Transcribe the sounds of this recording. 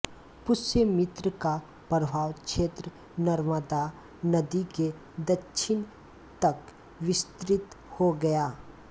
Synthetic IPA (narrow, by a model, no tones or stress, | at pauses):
pʊsəmɪt̪ɾəka | pɾəbʱaːʋkʃeːt̪ɾə | nɐɾməd̪a | nɐd̪ike | d̪ɐkʃʰɪn | t̪ɐk | ʋɪst̪ɾɪt̪ | hoɡɐjaː